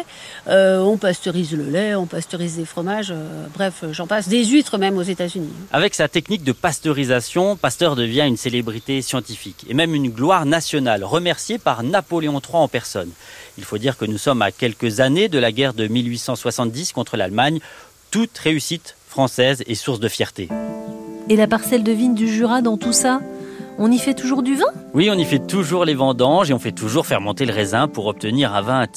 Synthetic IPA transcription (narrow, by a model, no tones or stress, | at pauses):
øɔ̃past̪ɔʁizləlɛɔ̃past̪ɔʁizlefχɔmaʒøbʁɛfʒɑ̃pasd̪ezyt̪χəmɛmozet̪azynia̰vɛksat̪ɛknik̚d̪əpast̪ɔʁizasjɔ̃past̪œʁd̪əvjɛ̃ynselebʁit̪esjɑ̃t̪ifikḛmɛmynɡlwaʁnasjɔnalʁəmɛʁsjepaʁnapɔleɔ̃t̪χwaɑ̃pɛʁsɔnilfod̪iʁkənusɔmakʲɛlkəzaned̪əlaɡʲɛʁd̪əmilɥisɑ̃swasɑ̃t̪̚d̪iskɔ̃t̪χəlalmaɲ | t̪ut̪ʁeysit̪fχɑ̃sɛzesuʁsd̪əfjɛʁt̪e | elapaʁsɛld̪əvind̪yʒyʁad̪ɑ̃t̪usaɔ̃nifɛt̪uʒuʁd̪yvɛ̃wiɔ̃nifɛt̪uʒuʁlevɑ̃d̪ɑ̃ʒeɔ̃fɛt̪uʒuʁfɛʁmɔ̃t̪eləʁezɛ̃puʁɔp̚t̪əniʁɛ̃vɛ̃